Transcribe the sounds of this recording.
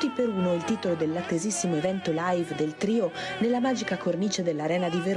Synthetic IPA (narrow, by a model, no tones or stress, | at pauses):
t̪ːipeɾuːnoilt̪iːt̪olod̪elːat̪ːezisːimoevɛnt̪olajvd̪elt̪ɾiːonelːamaːd͡ʒikakʰornit͡ʃed̪elːaɾɛːnad̪iveɾ